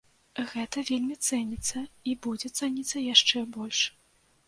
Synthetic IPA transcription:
ɣɛt̪ɐvʲelʲmʲit̪sɛnʲit̪sːɐibud͡zʲɛt̪sɛnʲit̪sːɐjaʂt͡ʂɛbɔlʲʂ

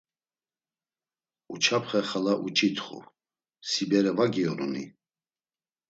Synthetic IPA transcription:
ut͡ʃʰapʰχɛχalaʔut͡ʃʼit̪ʰʼχṵ | sibɛɾɛvaɡiɔɾɔ̰nḭ

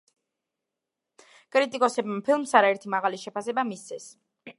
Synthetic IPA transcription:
kʼɾit̪ʼikʼɔsɛbmapʰilˠmsaɾaɛɾt̪ʰimaʁaliʃɛpʰasɛbamist̪sʰɛs

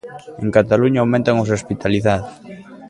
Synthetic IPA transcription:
ẽŋkat̪aluɲaawmẽnt̪aŋosospit̪aliθaðos

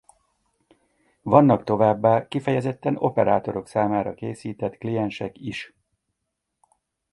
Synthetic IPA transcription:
vɒnːɒkt̪o̞vaːbːaːkifɛjɛzɛt̪ːɛno̞pɛɾa̰ːt̪o̞ɾo̞ksaːmaːɾɒkeːsiːt̪ɛt̪klijɛnʃɛkiʃ

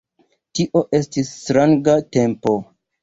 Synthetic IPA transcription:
tiʔo̞ʔe̞stistɾaŋɡate̞mpo̞

